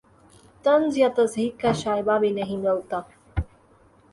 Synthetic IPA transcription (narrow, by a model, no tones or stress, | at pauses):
t̪ənd͡zjat̪əsɦiːkːaɕajbaʋenəɦĩməwt̪a